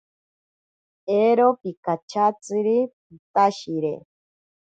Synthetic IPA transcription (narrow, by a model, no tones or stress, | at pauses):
eɾopikat͡ʃʰat͡siɾipit̪aʃiɾḛ